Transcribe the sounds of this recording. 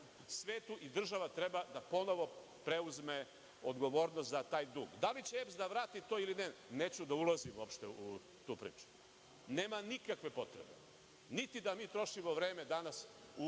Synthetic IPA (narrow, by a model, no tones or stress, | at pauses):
sʋeːt̪uʔid̪r̩ʒaʋat̪ɾebad̪apo̞no̞ʋo | pɾe̞uzme̞ | od̪ɡo̞ʋo̞ːɾnost̪zat̪aːjd̪ṵːɡd̪alit͡ɕeepsd̪aʋɾaːt̪it̪oːilineneːt͡ɕud̪aulˠazimuopʃt̪eu | t̪uːpɾḭːt͡ʃu̥ | neːmanikakʋe̞po̞t̪ɾḛbḛ | nit̪id̪amiːt̪ɾo̞ʃimo̞ʋɾe̞ːme̞d̪anas | u